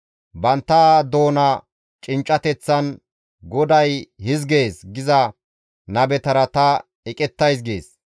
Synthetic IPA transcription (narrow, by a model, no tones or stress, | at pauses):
bɐnt̪ːaːd̪o̞ːnɐ | t͡ʃʼɪnt͡ʃʼːɐt̪ɛt͡sːɐn | ɡɔd̪ɐjhɪzɡe̞ːsɡɪzɐ | nɐbɛt̪ɐɾɐt̪ɐ | ɛkʼɛt̪ːɐjs̬ɡḛːs